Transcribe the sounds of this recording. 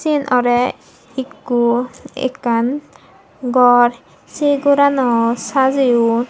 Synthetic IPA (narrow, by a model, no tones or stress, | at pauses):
sinʔɔɾɛ | ikːuḛkan | ɡɔɾ | seɡuɾanɔsaziu